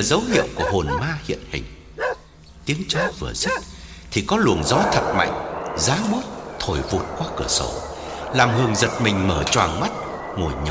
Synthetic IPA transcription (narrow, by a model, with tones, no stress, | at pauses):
zə˨˦whḭ˧˨əwku˧˩əho˨˩nmaː˧hḭ˧˨ənhï˨˩ŋ̟ | t̪i˨˦əŋt͡ɕɔ˨˦vɨ˨˩əzɨ˦˥t̚t̪ʰi˨˩kɔ˨˦lu˨˩ənzɔ˨˦jt̪ʰə˨˩t̚ma̰˧˨jŋ̟zaː˨˦ŋɓo˦˥t̚t̪ʰo˨˩jvu˨˩t̚kwaː˧kɨ˧˩əso̰˧˩laː˨˩mhɨ˨˩əŋzə˨˩t̚mï˨˩ŋ̟məː˧˩t͡ɕwaː˨˩ŋma˦˥t̚ | ŋu˨˩əɲ˨˧˦